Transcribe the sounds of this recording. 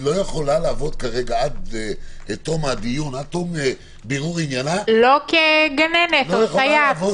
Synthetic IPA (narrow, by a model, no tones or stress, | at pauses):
lojeχo̞laleaːvo̞d̪kaʁeɡaad̪et̪omad̪ijunat̪ome | beʁuʁinjanalokeɡanenetosajavo